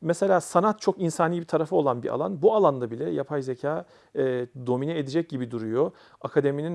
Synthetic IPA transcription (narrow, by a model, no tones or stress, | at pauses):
mese̞lʲaːsanat̪̚t͡ʃʰo̞kinsaːnʲˠiːbit̪ʰaɾafɯo̞lˠanbiɾa̰lˠanbualˠand̪abilʲɛjapʰajze̞cʰaː | d̪o̞minɛed̪id͡ʒɛc̚ɟibid̪uɾujo̞ | akʰad̪e̞minin